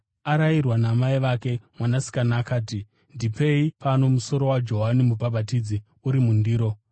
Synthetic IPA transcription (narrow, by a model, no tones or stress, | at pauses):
aɾairwanamaiʋake̞mwanasi̥kanaːkaːti | ndipe̞ipano̞muso̞ɾo̞wad͡ʒo̞ɦanimubʱabʱatiːd͡zi | uɾimundiːɾo̞